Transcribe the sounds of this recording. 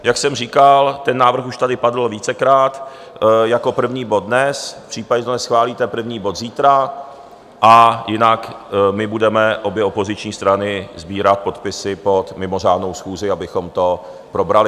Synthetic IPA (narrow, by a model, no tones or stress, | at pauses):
jaksɛmr̝iːkalt̪ɛnːaːvr̩xuʃt̪adɪpadl̩viːt͡sɛkɾaːt̪ | jako̞pr̩vɲiːbo̞d̪̚dnɛsfpr̥iːpaɟɛt̪onɛsxvaːliːt̪ɛpr̩vɲiːbo̞t̪ziːt̪ɾa | ʔajɪnakmɪbudɛmɛʔo̞bjɛo̞pozɪt͡ʃɲiːst̪ɾanɪzbiːɾat̪̚po̞t̪pɪsɪpo̞t̪mɪmo̞r̝aːdno̞wsxuːzɪabɪxomt̪o̞ | pɾo̞bɾalɪ